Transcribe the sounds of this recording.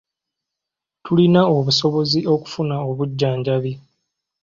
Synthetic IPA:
tʰulinao̞βuso̞βo̞ziʔo̞ku̥funaoβuɟːaːɲɟaβi

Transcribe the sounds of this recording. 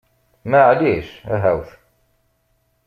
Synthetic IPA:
mæʕliʃæ̰ɦæwθ

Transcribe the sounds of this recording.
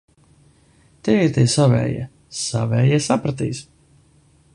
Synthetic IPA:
t̪ɛt̪ɛsavɛ̰ːjɛ̰ | savɛːjɛsapɾat̪̬ḭːs

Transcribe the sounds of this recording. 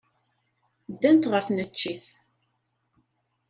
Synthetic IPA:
d̪ːænt̪ʁəɾθnət͡ʃːiθ

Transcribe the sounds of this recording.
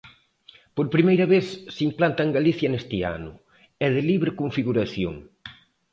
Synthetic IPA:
poɾpɾimejɾɐβeθsimplant̪ɐeŋɡaliθjɐnest̪ɪa̰nʊ̰ | ɛðɪliβɾekoɱfiɣuɾaθjo̰ŋ

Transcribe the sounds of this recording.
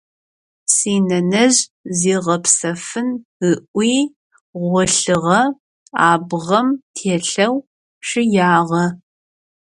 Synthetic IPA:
siːnɐnɐʑziːʁɐpsɐfɨnɨʔʷiː | ʁʷɔɬɨʁɐ | aːbʁɐmtʰeːɬɐw | ʂɪjaːʁɐ

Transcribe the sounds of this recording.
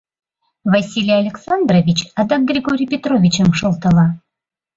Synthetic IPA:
vɐsʲilʲijalʲeksand̪ɾovʲit͡ɕad̪ɑk̚ɡɾʲiɡoɾʲijpʲet̪ɾovʲit͡ɕəmʃə̆lˠt̪əlˠɑ

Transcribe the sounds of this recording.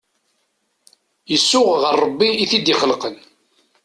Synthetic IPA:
jəsːʊʁʁəɾˤːəbːiːθid̪ɪχəlqən

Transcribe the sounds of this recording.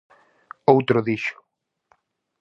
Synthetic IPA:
owt̪ɾʊðiʃʊ̥

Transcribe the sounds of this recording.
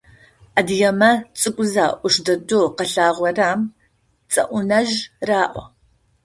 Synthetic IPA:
ʔɐdijɐmɐt͡sʼɨkʷʼʊzaːʔʷʊʂdɐdoqɐɬaːʁʷɐraːm | t͡sʼɐ̰ʔʷʊnɐʒraːʔʷɔ̰

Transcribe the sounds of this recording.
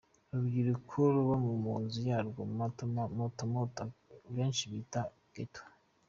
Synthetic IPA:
βabɡiɾikʰuɾuβomumuːnzujaːɾɡomatmotamotaβeːnʃiβita | ɡ̥etʰa

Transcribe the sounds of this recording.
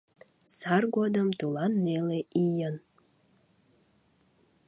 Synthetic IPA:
sɑrɡod̪əmt̪ulɑnːeleʔijən

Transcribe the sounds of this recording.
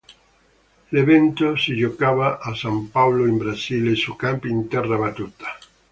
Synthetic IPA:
leβent̪oseʒokaβaʔːsampawloembɾasilesukampint̪ɛraβat̪ut̪ḁ

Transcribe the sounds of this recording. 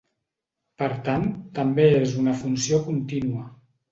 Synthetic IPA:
pəɾt̪anəmbeezunəfunsiokunt̪inuə

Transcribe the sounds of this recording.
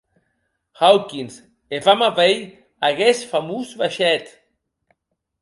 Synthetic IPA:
xawkins | evamavej | aɣesfamuzβaʃɛt̪

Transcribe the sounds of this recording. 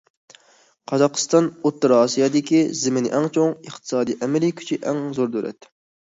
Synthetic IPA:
qʰɑzɑqə̥st̪ɑnot̪ːɨɾɑːsijɑd̪ɪkʲizɪmɪnɪ̰ʔɛŋt͡ʃʰoŋəχt̪ʰɨ̥sɑːd̪ijʔɛmɛlikʲʰy̥t͡ʃʰiʔɛŋzoɾd̪øɾɛ̰t̪ː

